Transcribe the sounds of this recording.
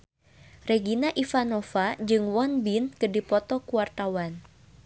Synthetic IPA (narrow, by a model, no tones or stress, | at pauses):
reɡinaʔifanɔfad͡ʒɨŋwɔnbinkədipɔt̪ɔkuwart̪awan